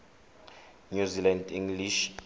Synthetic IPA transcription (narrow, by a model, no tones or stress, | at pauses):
ɲuzilandiŋɡliʃ